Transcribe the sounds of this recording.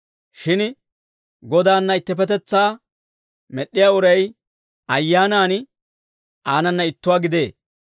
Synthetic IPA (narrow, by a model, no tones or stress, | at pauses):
ʃɪn | ɡɔd̪aːnːɐɪt̪ːɛpɛt̪ɛt͡sːaː | mɛɗːɪjaːʊɾɐj | ɐjːaːnaːn | aːnɐnːɐɪt̪ːʊwaːɡɪd̪e̞ː